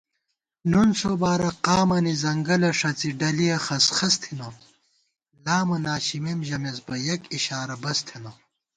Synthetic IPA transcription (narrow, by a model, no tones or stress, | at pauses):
nunsobaːɾɐqaːmɐnizɐŋɡɐlɐʂɐt͡siɖɐlijɐxɐsxɐst̪ʰino | laːmɐnaːɕimemʑɐmesbɐjɐkiɕaːɾɐbɐst̪ʰino